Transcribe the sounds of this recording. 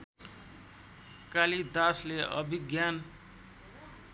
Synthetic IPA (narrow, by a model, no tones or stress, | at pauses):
kalid̪asleʔʌ̰bʱiɡjan